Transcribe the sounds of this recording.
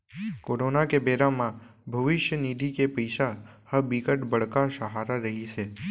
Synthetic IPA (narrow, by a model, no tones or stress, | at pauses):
koːɾonakebeɾamãbʱəʋɪʃjənid̪ʱikepəjʃa | həbikəʈbəɽkaʃəɦaɾaɾəɦit͡ʃʰe